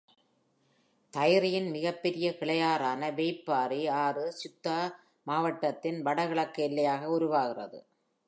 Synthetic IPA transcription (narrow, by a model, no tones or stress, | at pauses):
t̪ɐjɾɪjɪnmɪɣɐpːɛɾɪjɐkɪɭɐjaːɾaːnɐʋeːɪpːaːɾiaːrɯsʊt̪ːa | maːʋɐʈːɐt̪ːɪnʋɐɽɐɣɪɭɐkːɐɪlːɐjaːɣɐʊɾʊʋaːɣɪrɐ̰ðɯ̰